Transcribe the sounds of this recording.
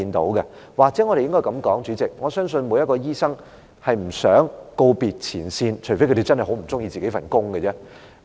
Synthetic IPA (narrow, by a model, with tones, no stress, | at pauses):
i˧nt̪o̰˨˥wkɛ˧ | waː˨k̚t͡sɛː˨˥ŋɔ˨˧ɾe˨jɪ˥ŋkɔː˥jkɐ˨˧˥mkɔː˨˥ŋt͡ʃyː˨˥t͡sɪ˨k̚ŋɔː˨˧sœː˥ŋsɵ˧nmu˨˧jɐ˥kɔː˧jiː˥sɐ˥ŋ | hɐ˨jm̩˨˩sœː˨˥ŋko˧wpiː˨t̚t͡sʰiː˨˩nsiː˧nt͡ʃʰfe˥kʰɾe˨˩t͡sɐ˥nhɐ˨˩ho˨˥m̩˨˩t͡sʊ˥ŋjiː˧t͡siː˨ke˨˥fɐ˨˩nkʊ˥ŋɡə˧t͡sɛ˥